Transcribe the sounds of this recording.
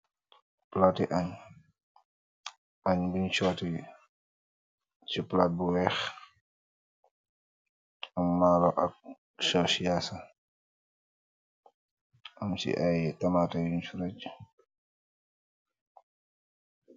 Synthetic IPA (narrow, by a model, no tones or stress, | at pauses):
platiʔaɲ | ʔaɲbuɲt͡ʃɔti | t͡ʃiplat̚buwɛx | amːaːlɔʔak̚ | sɔsijasa | ʔamsḭʔajtamatajuɲt͡ʃuɾat͡ʃ